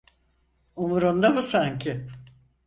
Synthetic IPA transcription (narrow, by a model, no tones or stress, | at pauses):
umuɾund̪abusaɲcʰʲɪ